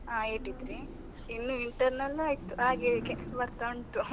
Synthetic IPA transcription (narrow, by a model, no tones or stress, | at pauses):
aeʈid̪ɾi | inːuiɳʈɐɾnɐlːaːjit̪uaːɡekɛnsɐbɐɾt̪auɳʈu